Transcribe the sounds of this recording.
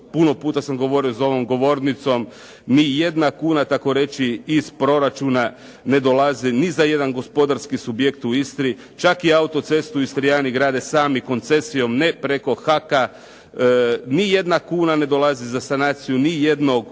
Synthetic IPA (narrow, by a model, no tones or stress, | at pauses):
puno̞puːt̪asamɡo̞ʋo̞ɾiozao̞ʋo̞mɡo̞ʋo̞ɾnit̪so̞m | nije̞d̪nakuːnat̪ako̞ɾe̞t͡ʃiːspɾo̞ɾat͡ʃuna | ne̞d̪olazinizaje̞d̪anɡo̞spo̞d̪aɾskisubje̞kt̪uist̪ɾi | t͡ʃakiaut̪o̞t̪se̞st̪uist̪ɾijaːniɡɾaːd̪esaːmiko̞nt̪se̞sijo̞mnepɾe̞ko̞xaka | nije̞d̪nakuːnane̞d̪o̞lˠazizasanaːt̪sijunije̞d̪no̞ɡ